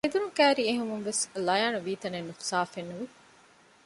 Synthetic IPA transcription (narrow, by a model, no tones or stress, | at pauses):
ed̪uɾukæːɾieɦumunʋeslɐjaːnuʋiːt̪ɐnenːufu̥saːfenːuʋi